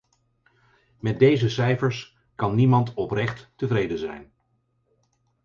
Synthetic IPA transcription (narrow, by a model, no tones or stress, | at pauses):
mɛt̚dejzəsɛjfəɹs | kɑnːimɑntɔprɛχtːəvrejdənzɛ̰jn